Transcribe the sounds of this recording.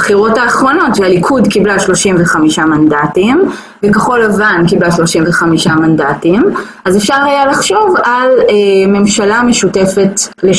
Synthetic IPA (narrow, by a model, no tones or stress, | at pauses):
bχiʁo̞taːχʁono̞tvealikʰudkiblaʃlo̞ʃimveχamiʃamandatim | vekeχo̞lavankiblaʃlo̞ʃimveχamiʃamandatimʔazefʃaʁhajalaχʃo̞valeme̞mʃalame̞ʃute̞fe̞tle